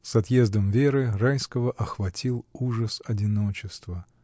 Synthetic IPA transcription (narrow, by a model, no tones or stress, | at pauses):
sɐt̪je̞zd̪əmvʲe̞ɾɨrajskəvəʔɐxvɐtʲilˠuʐəsɐdʲɪno̞t͡ɕɪst̪və